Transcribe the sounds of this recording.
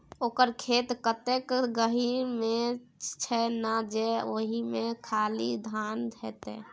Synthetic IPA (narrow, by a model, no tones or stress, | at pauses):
oːkəɾkʰet̪kət̪ekɡəɦimẽt͡ʃʰɛnad͡ʒɛoɦimẽkʰalid̪ʱand̪ʱɛt̪ɛ̰